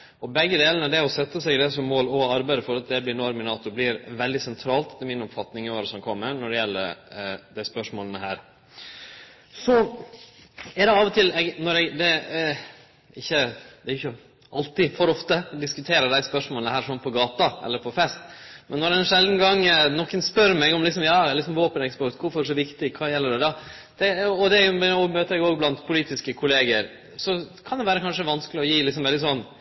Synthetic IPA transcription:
ɔbɛɡːəd̪eːlənəd̪ɛɔsɛt̪ːəsɛɡɪd̪ɛsɔmːoːlɔɑɾbæɪd̪əfɔɾɑt̪̚d̪ɛblɪɾnɔːɾmɪnɑːt̪ʊblɪɾʋɛld̪ɪsɛnt̪ʰɾɑːlt̪ɪlmɪnɔpfɑt̪nɪŋɪoːɾəsɔmkʰɔmːəɾnɔɖɛjɛlːə̰ɾd̪æɪspœʂmoːlənəɦæːɾ | sɔ | ɛɖ̪d̪ɛɑːʋɔt̪ʰɪlɛɡnɔɾɛɡd̪ɛ | ɪçːəd̪ɛːʊçːə | ʔɑ̰lt̪ɪfɔɾɔft̪əd̪ɪskʉt̪ʰeːɾəd̪æɪspœʂmoːlənəhæːɾʂɔmpʰɔɡɑːt̪ɑɛ̰lːəɾpʰɔfɛst̪mɛnːɔɾɛnʂɛld̪n̩ɡɑŋːnɔkːənspœɾmɛɡɔmlɪksɔmjɑːlɪksɔmʋoːpənɛkspɔɾt̪kʊɾfɔɾʂɔʋɪkt̪ɪkʰɑːjɛlːəɖɛd̪ɑː | d̪̥ɛɔd̪ɛæjʊomøːt̪əɾɛɡjʊoːɡblɑnt̪pʰʊliːt̪ɪskəkʰʊleːɡəɾ | sɔkʰɑnd̪ɛʋæːɾəkʰɑnʂəʋɑnskəlɪɔjiːlɪksɔmʋɛld̪ɪsɔnː

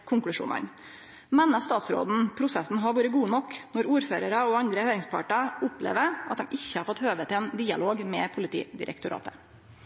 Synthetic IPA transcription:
kʰʊŋklʉʂṵːnə̰n | mɛnɑst̪ɑːt̪sɾo̰ːd̪n̩pʰɾʊsɛsn̩ɦɑɾʋuːɾəɡuːnɔkːnɔɾuːɾføːɾəɾɑɔɑnd̪ɾəhøːɾɪŋspʰɑ̰ʈɑʊplḛːʋəʔɑt̪̚d̪ɛmʔɪçːəhɑɾfɔt̪høːʋət̪ʰɪlɛːnd̪iːɑ̰loːɡmɛːpʰʊlɪt̪ʰḭːd̪ɪ̰ɾʔɛ̰kt̪ʊɾʔɑ̰ːt̪ə

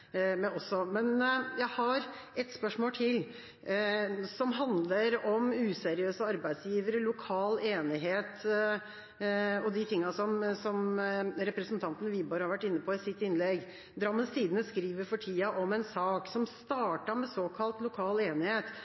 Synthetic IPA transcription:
mɛɔsɔmɛnjæɪhɑɾ | ʔɛt̪spœʂmoːlt̪ʰɪl | sɔmɦɑnd̪ləɾɔmʉːsɛɾɪøːsəɑɾbæɪsjiːʋəɾəlʊkʰɑːleːnɪɦeːt̪ | ɔd̪ɪt̪ʰɪŋːɑsɔmsɔmɾɛpɾəsənt̪ʰɑnt̪ənəʋiːbɑːɾhɑɾʋæʈːɪnːəpʰɔɪsɪt̪ːɪnlɛɡ | d̪ɾɑmːənssiːd̪ənəskɾiːʋəɾfɔʈʰiːɑʔɔmɛnsɑːksɔmst̪ɑːʈɑmɛsoːkʰɑlt̪lʊkʰɑːleːnɪheːt̪

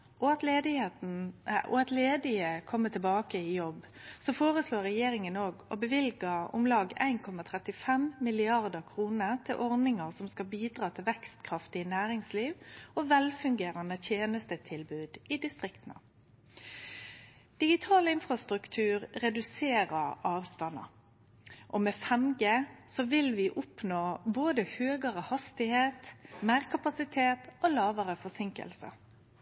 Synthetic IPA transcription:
ʔɔɑt̪leːd̪ɪet̪n̩ʔɔ̰ɑt̪leːd̪ɪəkʰɔmːət̪ʰɪlbɑːkəɪjɔb | sɔfoːʁəsloːɾʁɛjeːɾɪŋənoːɡɔ̰bəʋɪlɡəʊ̰mlɑːɡæ̰ɪnkʰɔmɑt̪ʰʁɛt̪ɪfɛmmɪlɪɑʁd̪əkʰʁuːnət̪ʰɪlʔɔʁnɪŋəʁsɔmskɑlbiːd̪ʁɑːt̪ʰɪlʋɛkst̪kʰɾɑft̪ɪənæːʁɪŋsliːʋɔʋɛlfʉŋɡeːɾɑnət̪ʰjeːnəst̪ət̪ʰɪlbʉːd̪ɪd̪ɪst̪ʁɪkt̪nə̰ | d̪̥ɪɡɪt̪ʰɑːləɪnfɾʁɑst̪ʁʉkt̪ʰʉːʁʁɛd̪ʉseːʁəʁɑːʋst̪ɑnɑ̰ | ʔɔmɛfɛmɡəsɔʋɪlʋɪʔʊpnoːboːd̪əhøːɡəʁəhɑst̪ɪheːt̪meːʁkʰɑpɑsɪt̪ʰeːt̪olɑːʋəʁəfɔsɪŋkə̰lsə̰

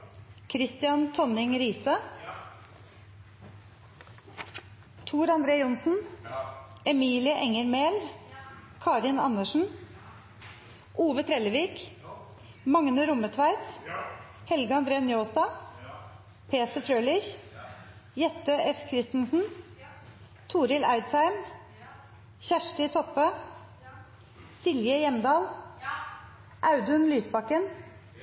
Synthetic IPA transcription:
kʰɾɪst̪ɪɑnt̪ʰɔnɪŋɾiːsə | t̪ʰuːɾɑnd̪ɾeːʊnsn̩ | ɛmiːlɪəʔɛŋəɾmeːl | kʰɑːɾɪnɑ̰nəʂn̩ | ʔuːʋət̪ʰɾɛləʋiːk | mɑŋnəɾʊmət̪ʰʋæɪt̪ | hɛlɡəɑnd̪ɾeːnjoːsd̪ɑː | pʰeːt̪əfɾøːlɪç | jɛt̪əʔɛfkʰɾɪst̪nsn̩ | t̪ʰuːɾɪlʔæɪd̪sæɪm | çæʂʈɪt̪ʰɔpə | sɪljəjɛmd̪ɑːl | ʔɑʉd̪ʉnlyːsbɑkən

